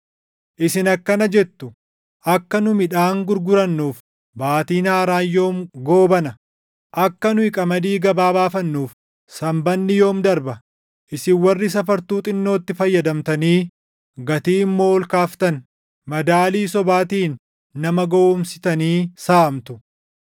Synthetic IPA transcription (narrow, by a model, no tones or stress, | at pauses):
ʔɪsɪnɐkːɐnɐd͡ʒɛt̪ːʊ | ʔɐkːɐnʊmɪᶑaːŋɡʊɾɡʊɾɐnːuːf | baːt̪iːnaːɾaːjːo̞ːmɡo̞ːbɐnɐ | ʔɐkːɐnʊɪkʼɐmɐd̪iːɡɐbaːbaːfɐnːuːf | sɐmbɐnːɪjo̞ːmd̪ɐɾbɐ | ʔɪsɪwɐrːɪs̬ɐfɐɾt̪uːt̪ʼɪnːo̞ːt̪ːɪfɐjːɐd̪ɐmt̪ɐniː | ɡɐt̪iːɪmːo̞ːɔlkaːft̪ɐn | mɐd̪aːliːsɔbaːt̪iːnː | ɐmɐɡoːʊmsɪ̥t̪ɐniːsaːmt̪ʊ̥